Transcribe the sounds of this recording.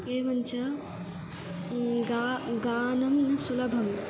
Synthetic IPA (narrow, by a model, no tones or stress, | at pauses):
keːʋɐnt͡ʃʰɐ | ɡaɡaːnɐmnɐsulɐbʱɐm